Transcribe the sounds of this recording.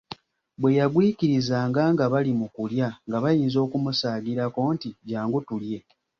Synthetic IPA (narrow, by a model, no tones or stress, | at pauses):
bwe̞jaɡwiːkiɾizaːŋɡaːŋɡaβalimukuljaŋɡaβajiːnzo̞ːkumusaːɡiɾako̞ːntiɟaːŋɡutulje̞